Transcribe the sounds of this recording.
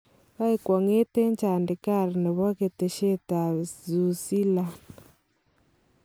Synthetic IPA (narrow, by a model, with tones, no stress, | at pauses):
βa˦e˦kwɔ˨ŋe˦te˦ɲt͡ʃaː˨nde˨ka˦˨ɾi˨ne˨βɔ˦ɣe˨te˨ʃe˦ta˨zu˨si˦la˦